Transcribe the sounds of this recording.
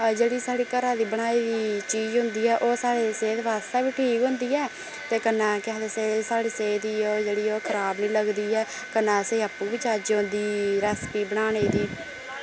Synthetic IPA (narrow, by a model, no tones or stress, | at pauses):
d͡ʒeːɽiːsaːɽiːkəɾãːd̪iːbəɽ̃aːiːd̪iːt͡ʃiːd͡ʒɦʊ̃nd̪iːɛːʔoːsaːɽeːseːt̪ʋaːst̪ɛːbiːʈʰiːkɦʊ̃nd̪iːɛː | t̪eːkənːãːkɛ̃ːd̪eːseːsaːɽiːseːd̪iːoːd͡ʒeːɽiːoːkʰəɾaːbnĩːləɡd̪iːɛː | kənːãːəseːəpːũːbɪt͡ʃaːd͡ʒɦõːnd̪iːɾɛːspiːbəɽaːɽ̃eːd̪iː